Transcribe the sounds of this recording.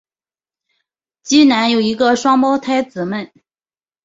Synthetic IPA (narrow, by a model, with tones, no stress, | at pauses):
t͡ɕi˥na˧˥njo˨˩ʊi˧˥ɡə˧ʂwɑ˥ŋpɑ˥ʊt̪ʰa˥ɪt͡sɹ̩˨˩mə˥˩n